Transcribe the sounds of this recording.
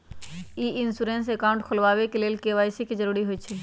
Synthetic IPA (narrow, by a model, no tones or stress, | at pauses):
iːɪnsuɾẽːns̬ekaːʊ̃ɳʈkʰʊlʋaːʋekeleːlkeːʋaːɪsikizəɾuːɾiɦoit͡ʃʰe